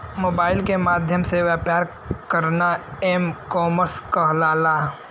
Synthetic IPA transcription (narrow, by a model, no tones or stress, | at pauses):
moːbaːɪlkemaːd̪ʱjəmseʋjaːpaːɾ | kəɾnaɛmkɔːməɾskəɦlaːlaː